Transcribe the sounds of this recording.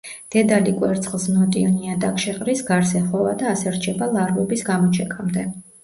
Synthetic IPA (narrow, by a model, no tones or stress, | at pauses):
d̪̥ɛd̪alikʼwɛɾt̪sʰʼχlˠsnɔt̪ʼiɔniad̪akʰʃɛqʼɾisɡaɾsɛχɔvad̪aːsɛɾt͡ʃʰɛbalˠaɾvɔbisɡamɔt͡ʃʰɛkʼamd̪ɛ